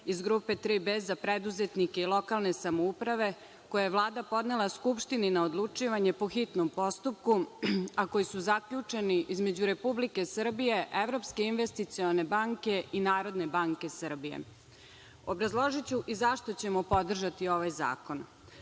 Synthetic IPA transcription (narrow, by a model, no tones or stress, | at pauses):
izɡɾupe̞t̪ɾibezapɾed̪uzet̪nikeilˠo̞kalˠne̞samoupɾaʋe̞ | kojajeʋlˠaːd̪apo̞d̪ne̞lˠaskupʃt̪ininaod̪lˠut͡ʂiːʋaɲe̞poxit̪nompo̞st̪up̚kuako̞jisuzakʎut͡ʂe̞niʔizme̞d͡ʑuɾe̞publike̞sr̩bije̞ʔeʋɾo̞pske̞inʋest̪it̪sione̞baŋke̞ʔinaːɾo̞d̪ne̞baŋke̞sər̩bijḛ | obɾazlˠoʒit͡ɕuʔizaʃt̪ot͡ɕemopo̞d̪r̩ʒat̪io̞ʋajza̰ːko̞n